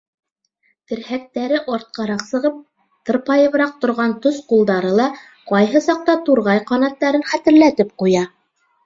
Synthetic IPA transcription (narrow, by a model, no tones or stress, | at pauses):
t̪ɘ̆ɾhæk̚t̪æɾɘʔɑɾt̪̚qɑɾɑqsɤ̆ʁɤp̚ | t̪ɤ̆ɾpɑjɤ̆βɾɑq̚t̪ŏɾʁɑnt̪osqulˠd̪ɑɾɤlˠɑ | qɑjɦɤsɑq̚t̪ɑt̪uɾʁɑjqɑnɑt̪ːɑɾɘnχæt̪ɘ̆ɾlæt̪ɘp̚qujɑ